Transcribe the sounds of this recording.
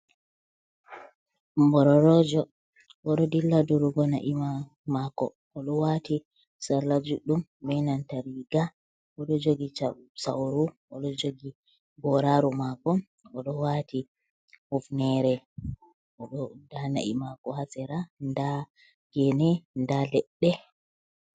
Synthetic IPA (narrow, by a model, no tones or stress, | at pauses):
mbɔɾɔɾɔd͡ʒɔ | ʔɔɗɔdilːadɔɾuɡɔna̰ʔima | makɔ̰ | ʔɔɗɔwati | saɾlad͡ʒuɗumbɛnantaɾiɡa | ʔɔɗɔd͡ʒoɡisa̰wɾuʔɔɗɔd͡ʒoɡi | bɔɾaɾumakɔ | ɔɗɔwati | hufnɛɾɛ | ʔɔɗɔdana̰ʔḭmakɔhasɛɾanda | ɡ̥ɛnɛndalɛɗːɛ